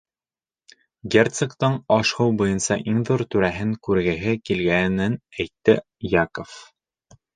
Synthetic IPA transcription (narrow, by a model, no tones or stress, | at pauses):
ɡʲert̪sekt̪ɤɴɒʃhɤwbujɤnsɑʔiŋðuɾt̪ʉɾæɦɘŋkʉɾɡɘ̆ɦɘkilɡænɘnæjt̪ːɘ | jakof